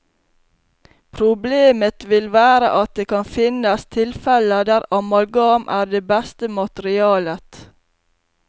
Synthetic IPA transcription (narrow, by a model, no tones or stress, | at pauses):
pʰɾʊbleːmət̪ʋɪlʋæːɾə̰ʔɑt̪̚d̪eːkʰɑnfɪnəst̪ʰɪlfɛləd̪æːɾɑmɑlɡɑːmʔæːɾɖeːbæst̪əmɑt̪əɾɪɑːlət̪